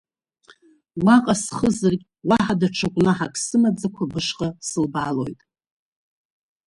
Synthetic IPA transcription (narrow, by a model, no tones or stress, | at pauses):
waqʼasχəzɨrkʲʼ | waħadaʈ͡ʂʰɨkʷʼnaħakʼsɨmad͡zakʷʰabɨʂqʼasɨlbalo̞̰jtʼ